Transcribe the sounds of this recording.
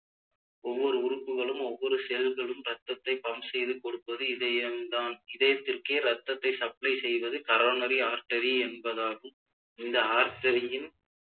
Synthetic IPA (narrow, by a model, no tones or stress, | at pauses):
ɔʋːɔɾɯʊɾɯpːɯɣɐɭɯmɔʋːɔɾɯsɛlɣɐɭɯmɾɐt̪ːɐt̪ːɐɪpɐmsɛjðɯkɔɽɯpːɐðɯɪðɐjɐnd̪aːnɪðɐjɐt̪ːɪrkeːɾɐt̪ːɐt̪ːɐɪsɐplɐɪsɛjʋɐðɯkɐɾoːnɐɾiaːɾʈɐɾiɛnbɐðaːlɯm | ɪnd̪ɐaːɾʈɐɾɪɪn